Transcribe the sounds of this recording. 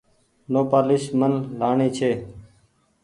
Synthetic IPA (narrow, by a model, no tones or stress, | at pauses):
noːpaːlɪʃmənlaːɳiːt͡ʃʰeː